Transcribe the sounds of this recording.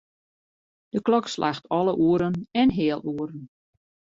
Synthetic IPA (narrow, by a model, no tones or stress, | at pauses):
d̥əklɔkslʔa̰xtʰɔlˠəʔuəɾənɛnɦɪːəlˠuəɾən